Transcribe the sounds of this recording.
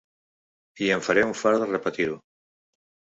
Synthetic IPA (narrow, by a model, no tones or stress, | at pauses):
ieɱfaɾeuɱfaɾðrepat̪iɾu